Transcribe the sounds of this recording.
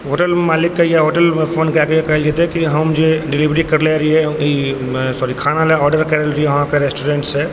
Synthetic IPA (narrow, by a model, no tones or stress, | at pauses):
ɦoːʈəlmaːlɪkːajaɦoːʈəlfoːnkɛkejekɐɦɛld͡ʒet̪ẽkiɦɐmd͡ʒeɖɪliʋɾikɐɾleɾɐiɦɛ | sɔːɾikʰaːnalɛɔːɖəɾkɛɾlɾiɛʋɐɦãkeɾesʈoːɾẽːɳʈsɦɛ